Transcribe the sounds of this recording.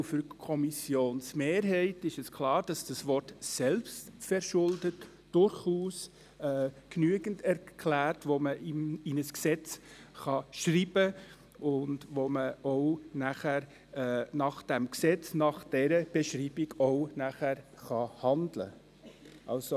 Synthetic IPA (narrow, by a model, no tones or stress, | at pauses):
fʏɾkʰɔmisjoːnsmeːɾɦɛɪtɪʃɛskʰlɑːɾd̥ɑsd̥ɑsvɔrtsɛlpstfɛɾʃʊldət | d̥ʊɾχuːs | ɛːknyəɡəntʰɛɾkʰlæːrtʋoməʔiinəsksɛt͡sχɑʃriːb̥ə | ʔʊndʋoməɔʊnæχæɾ | nɑχd̥ɛmksɛt͡snɑχd̥ɛɾəb̥ɛʃriːbɪɡɔʊnæχæɾχɑhɑndlə̰ | ʔɑ̰lso